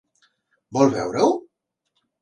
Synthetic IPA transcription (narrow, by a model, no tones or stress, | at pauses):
bɔlβɛ̰wɾəw